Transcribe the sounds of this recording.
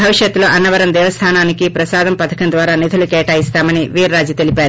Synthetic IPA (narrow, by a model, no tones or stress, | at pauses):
bʱɐʋiʂjɐt̪ːuloːʔɐnːɐʋɐɾɐmd̪ɛːʋɐst̪ʰaːnaːnikipɾɐsaːd̪ɐmpɐt̪ʰɐ̥kɐnd̪ʋaːɾaːnid̪ʰʱulukɛːʈaːjist̪aːmɐniʋiːɾːaːd͡ʒjit̪e̞lipaːɾu